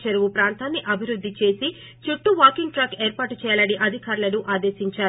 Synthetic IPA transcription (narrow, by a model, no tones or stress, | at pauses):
t͡ʃɐɾuʋupɾaːnt̪aːnːiʔɐbʱiɾud̪ʱːit͡ʃe̞ːsi | t͡ʃuʈːuʋaːkiŋɡʈɾɐkeːɾpaːʈut͡ʃɛːjɐlɐɽiʔɐd̪ʱikaːɾulɐnuʔaːd̪e̞ːsiɲt͡ʃaː